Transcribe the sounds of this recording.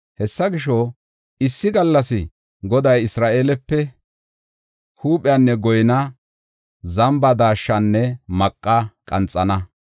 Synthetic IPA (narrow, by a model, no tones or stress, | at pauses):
hɛsːɐɡɪʃɔ | ɪsːɪɡɐlːɐsɪ | ɡɔd̪ɐjɪsɾaːʔeːlɛpːɛ | huːpʼɪjaːnːɛɡɔjɪnɐ | zɐmbɐd̪aːʃːɐnːɛmɐkʼːɐkʼɐnt͡sʼːɐnɐ